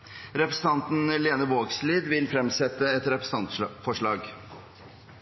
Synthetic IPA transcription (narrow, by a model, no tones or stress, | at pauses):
ɾɛpɾəsn̩t̪ʰɑnt̪n̩leːnəʋoːɡsliːd̪ʋɪlfɾɛmsɛt̪ːəɛt̪ɾɛpɾəs̩ɑnt̪fɔʂɭɑːɡ